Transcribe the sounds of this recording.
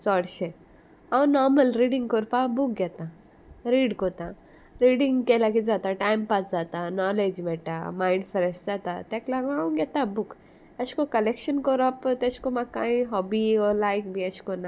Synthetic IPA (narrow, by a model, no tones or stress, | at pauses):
t͡sɔɽʃe | awũnɔɾməlɾiːɖĩŋɡkɔɾpabuk̚ɡɛt̪ã | ɾiːɽkot̪ã | ɾiːɽĩŋɡkelakid͡zat̪aʈajmpasd͡zat̪anɔled͡ʒbɛʈamaːɪ̃ɳɖfʰɔɾesʈd͡zat̪a̰t̪ɛklaɡoaũɡɛt̪ãbuk | əskokɐlekʃənkɔɾɔpt̪eskomãkaːĩɦɔbiɔlaːjkbʱiəskona